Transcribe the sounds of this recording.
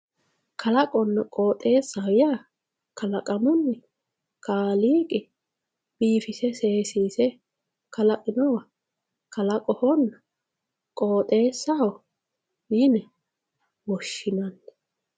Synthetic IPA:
kʰɐlɐkʼɔnːɐkʼoːt̪ʼe̞ːsːɐwɪja | kʰɐlɐkʼɐmʊnːɛ | kaːliːkʼɪ | b̥iːfɪsɛse̞ːsiːsɛ | kɐlɐʔʼɪnɔwɐ | kɐlɐkʼɔhɔnːɐ | kʼoːt̪ʼe̞ːsːaw | jinɛ | wɔʃːɪnɐnː

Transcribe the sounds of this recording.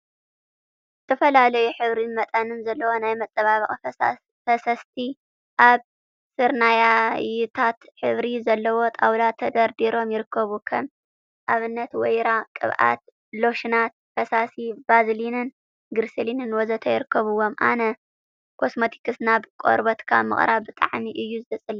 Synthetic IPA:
zɨt̪ʰɐfɐlalɐjuħɨβɾinmɐt̪ʼɐnɨnzɐlːɐwonajmɐt͡sʼːɐβaβɨχʼ | fɐsɐst̪ʰi | ʔaβ | sɨɾnajajut̪ʰat̪ħɨβɾizɐlːɐwo̞t̪ʼawlat̪ʰɐd̪ɐɾd̪iɾo̞mjɪɾɨkʰːɐβukʰɐm | ʔaβɨnːɐt̪wɔjɾakʼɨ̰βʔa̰t̪ | lo̞ʃɨnat̪̚fɐsasibazlinɨn | ɡɨɾselinɨnwɔzɐt̪ʰɐjɪɾɨkːɐβɨwo̞mʔa̰nɐ | kʰo̞smot̪ʰi̥kɨsnabkʼo̰ɾbɐt̪kʰa̰mɨ̰χʼɾʔaβbɨt̪ʼa̰ʕmiʔɨjːuzɨzɐt͡sʼɨl

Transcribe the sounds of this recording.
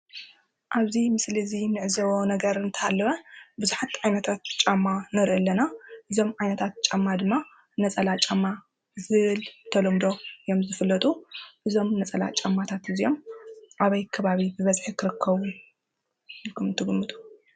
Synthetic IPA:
ʔaβzimɨsliɨzinɨʕɨzɐwonɐɡɐɾɨnt̪ʰɐhalːɐβɐbɨzuħat̪ʕajnɐt̪ʰat̪̚t͡ʃʼamːanɨɾʔɨlːɐnaʔɨzo̞mʕajnɐt̪ʰat̪̚t͡ʃʼamːad̪ɨmːa | nɐt͡sʼɐlat͡ʃʼamːa | zɨβɨlt̪ʰɐlɐmd̪o̞jo̞mzɨfɨlːɐt̪ʼuʔɨzo̞mnɐt͡sʼɐla̰t͡ʃʼamːat̪ʰat̪ɨzijo̞mʔaβɐjkʰɐβaβibɨβɐzħikʰɨɾɨkʰːɐβu | kʰɨmnt̪ʰɨɡɨmːɨt̪ʼu̥

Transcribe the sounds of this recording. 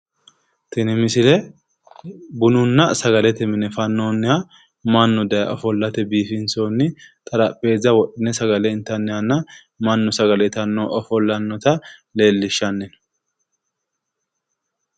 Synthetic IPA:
t̪ɪnɪmɪsɪlɛ | bʊnʊnːɐsɐɡɐlɛt̪ɛmɪnɛfɐnːoːnːɪa | mɐnːʊd̪ɐjʔɔfɔlːɐt̪ɛbiːfɪnsoːnːɪt̪ʼɐɾɐpʼːe̞ːzːɐwɔɗɪnɛsɐɡɐlɛɪnt̪ːɐnːɪɐnːɐ | mɐnːʊsɐɡɐlɛt̪ɐnːoːʔɔfɔlːɐnːɔt̪ɐle̞ːlːɪʃːɐnːɛn

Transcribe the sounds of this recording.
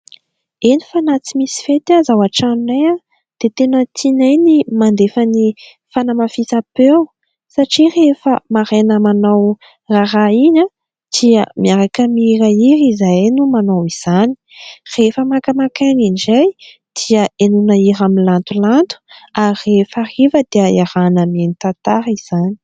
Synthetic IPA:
enifanat͡simisi̥fet̪azawaʈ͡ʂanlea | d̪̥et̪enət̪ʰinajnimand̪efəni | fanəmafit͡sapew | saʈ͡ʂirefə̰maɾenəmanaw | raɾaiɲa | d̪̥iə̰miaɾakəmiiɾaiɾizajnumanawiz̥ani̥r̥efəmakəmakaniɳd͡ʒaj | d̪̥iəenunəiɾamilant̪ulant̪u̥arefahivəd̪̥eaaɾanəmienit̪at̪aɾiz̥ani̥

